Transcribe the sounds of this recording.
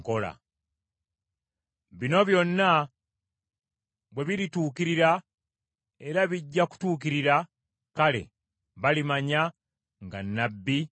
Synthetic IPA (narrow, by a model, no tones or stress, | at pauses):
ko̞la̰ | βino̞βjo̞nːa | βwe̞βilituːkiɾiɾa | e̞ɾaβiɟːaku̥tuːk̬iɾiɾa | kale̞̰ | βalimaɲa | ŋɡanːabːi